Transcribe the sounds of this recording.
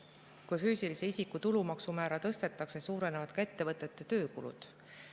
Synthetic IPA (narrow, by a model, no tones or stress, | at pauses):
kujfyːsilise̞isikːut̪ulumɑksumæːɾɑt̪ɤ̞st̪e̞t̪ːˑɑkse̞suːɾe̞nevɑd̪̥kɑe̞t̪ːe̞vɤt̪ˑːe̞t̪ːˑe̞t̪øːkulṵd̪̥